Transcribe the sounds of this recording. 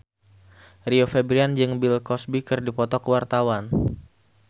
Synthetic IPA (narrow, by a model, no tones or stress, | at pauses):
riofebɾiand͡ʒɨŋbilkɔsbikɨrdipɔt̪ɔkəwart̪awan